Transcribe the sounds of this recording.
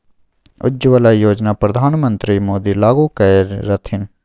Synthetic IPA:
ʊ̰d͡ʒʋəlaijoːd͡ʒnaːpɾɐd̪ʱaːnmə̃nt̪ɾiːmoːd̪iːlaːɡuːkəɾːɐt̪ʰɪn

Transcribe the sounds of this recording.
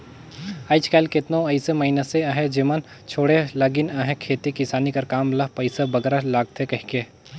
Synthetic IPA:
aːɪt͡ʃkaːɪlkɪt̪nõɐɪsemɐinəseaɦẽd͡ʒimən | t͡ʃʰoːɽelɐɡɪnaɦẽkʰeːt̪ikɪsaːnikɐɾkaːmlɐɦpɐɪsabɐɡɾalaːɡ̚t̪ʰekɐɦikeː

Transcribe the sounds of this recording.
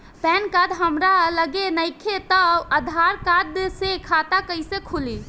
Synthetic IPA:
pɛnkad̪ɦəmɾaləɡenəjkʰet̪əəd̪ʱaɾkad̪sekʰat̪akəɪsekʰuli

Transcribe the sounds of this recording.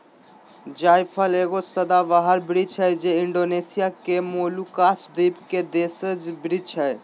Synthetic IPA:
d͡ʒajpʰəleɡosəd̪aʋaɦəɾbɾid͡ʒʰɦɛjd͡ʒeiɳɖonesijakemolukasd̪ibked̪esəd͡ʒbɾid͡ʒʰɛj

